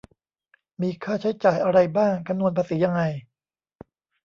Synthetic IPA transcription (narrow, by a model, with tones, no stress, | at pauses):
miː˧kʰaː˥˩t͡ɕʰa˦˥jt͡ɕaː˨˩jʔa˧ɾa˧jbaː˥˩ŋkʰa˧mnu˧ənpʰa˧siː˩˦ja˧ŋːa˧j